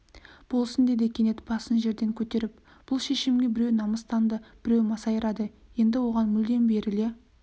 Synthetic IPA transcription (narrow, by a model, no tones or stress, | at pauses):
b̥o̞lˠsənd̪ed̪e̞kʲʰe̞ne̞t̪bɑsənʒe̞ɾd̪e̞ŋkʲʰɵt̪e̞ɾɪp | b̥ʊlˠʃe̞ʃɪmɡʲe̞bɪɾe̞wnɑməst̪ɑnd̪əb̥ɪɾe̞wmɑsɑjəɾɑd̪əje̞nd̪ɪwo̞ʁɑnmʏld̪e̞nbe̞ɾɪle